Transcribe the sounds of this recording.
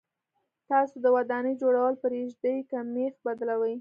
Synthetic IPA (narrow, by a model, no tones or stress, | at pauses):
t̪ɑsod̪əwad̪ɑnəjd͡ʒoɽawəlpəɾeʒd̪əjkamexbad̪lawəj